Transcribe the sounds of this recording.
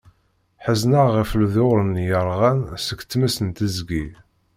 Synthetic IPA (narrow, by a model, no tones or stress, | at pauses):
ħəznəʁifəlðoɾənjəɾˤʁænsəɡt͡s̪ːmæsənt̪əzɡi